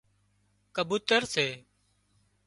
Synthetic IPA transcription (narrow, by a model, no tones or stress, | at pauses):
kəbuːt̪əɾseː